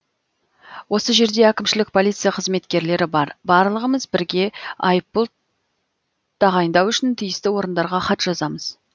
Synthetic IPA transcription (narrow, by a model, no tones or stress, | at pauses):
wʔo̞səʒe̞ɾd̪e̞ækʲɪmʃɪlɪk̚pʰo̞lijt̪sɨjaqʰəzme̞t̪kʲe̞ɾle̞ɾɪbɑɾbɑɾlˠəʁəməzbɪɾɡʲe̞ɑ̰jəpːʊlˠ | t̪ʰɑʁɑjənd̪ɑwʏʃɪnt̪ʰijɪst̪ɪwo̞ɾənd̪ɑɾʁɑχɑt̪ʒ̥ɑzɑməz̥